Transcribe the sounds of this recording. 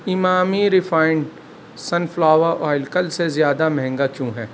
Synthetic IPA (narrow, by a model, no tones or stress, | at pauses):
ɪmaːmiɾɪfaːɪɳɖ | sɐnflaːʋaʔɔːɪlkəlsezjaːd̪amɛ̃ɦɛ̃ŋɡakjũːɦɛː